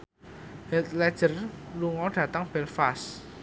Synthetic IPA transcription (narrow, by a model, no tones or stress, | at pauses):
hɛlt̪lɛd̥ʒ̥ərluŋɔɖ̥ä̤t̪aŋb̥ɛlfas